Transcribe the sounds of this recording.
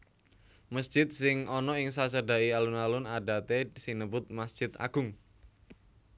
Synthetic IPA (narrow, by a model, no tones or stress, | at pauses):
məsʒ̥ɪt̪̚sɪŋɔnɔɪŋsasəɖa̤ialunalʊnaɖat̪esinəbʊt̪̚masd̥ʒ̥ɪt̪a̰ɡ̥ʊŋ